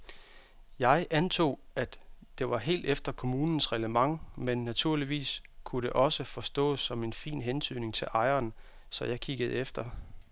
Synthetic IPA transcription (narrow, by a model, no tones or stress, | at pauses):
jɑ̈ɪʔænt͡sʰo̝̰ːæd̥ | d̥e̝ʋɑ̈ɦe̝̰ːld̥efd̥ɐkʰo̝muːnn̩sʁɛləmɑ̈ŋmenːæt͡sʰuɐ̰liʋḭːskʰuɾe̝ʔɒ̽səfɒ̽sd̥ɔ̰̽ːsɒ̽me̝nfḭːnɦent͡sʰyð̰ne̝ŋt͡sʰe̝lʔɑ̈ɪɐːn | sɒ̽jɑ̈ɪkʰiɡ̥əð̩ˠefd̥ɐ